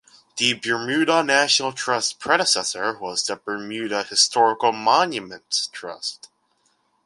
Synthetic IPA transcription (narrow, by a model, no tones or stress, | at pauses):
ðɨbə˞mʉɾənæʃnl̩ˠtʰɹ̥ʌstpʰɹ̥ɛɾəsɛsə˞wʌzðɨbə˞mjʉɾəhɨstʰɔɹəkl̩ˠmɑ̃njɨmə̃ntstʰɹ̥ʌ̰st